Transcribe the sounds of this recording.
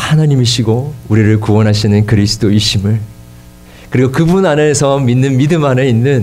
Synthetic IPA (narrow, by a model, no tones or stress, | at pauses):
hanaɲimiɕʰiɡouɾiɾɯɭkuwʌnɦaɕʰinɯnkɯɾisʰɯ̥t͈ʰoiɕʰimɯɭ | kɯɾiɡokɯbunane̞sʰʌminːɯnmidɯmaneinːɯn